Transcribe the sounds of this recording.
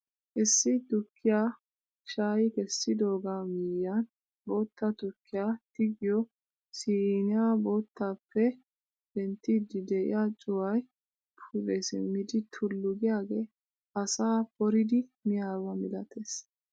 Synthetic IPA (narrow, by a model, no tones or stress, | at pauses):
ʔɪsːɪt̪ʊkːɪjaː | ʃaːjɪkɛsːɪd̪o̞ːɡamɪjːɐn | bo̞ːt̪ːɐt̪ʊkːɪjaːt̪ɪɡɪjɔ | sinɪjabo̞ːt̪ːaːpːɛ | b̥ɛnt̪ːid̪ɪd̪ɛʔɪ̰jat͡ʃʼʊwɐj | pʰʊbeːsɛ̰mɪd̪ɪt̪ʰʊlːʊɡɪjaːɡeː | ɐsaːpɔɾɪd̪ɪmɪjaːɾwɐmɪlɐt̪ʰe̞ːs